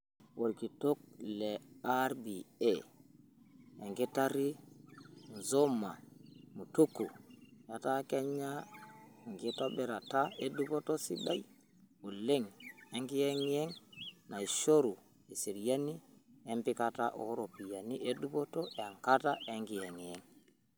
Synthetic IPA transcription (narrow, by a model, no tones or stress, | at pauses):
wolkitok̚lɛaɾbiɛ | ɛŋɡɛtaɾi | nzomːamutukːujatakɛɲːa | ŋɡɛtobɛɾataedupotosḭɗaj | muleŋeŋɡijeŋjɛŋnajʃoɾu | esiɾjaniempikataʔo̰ɾopijaniʔeɗupotɔʔɛaŋkataʔeŋɡijeŋjɛŋ